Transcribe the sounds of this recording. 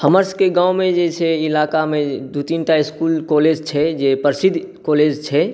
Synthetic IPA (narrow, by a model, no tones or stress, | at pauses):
həməɾskeɡãːwmẽd͡ʒet͡ʃʰɛɪlaːkamẽd̪ut̪inʈ̪aɪskuːlkoːleːd͡ʒt͡ʃʰɛd͡ʒepəɾsɪd̪ʱ | koːleːd͡ʒt͡ʃʰɛ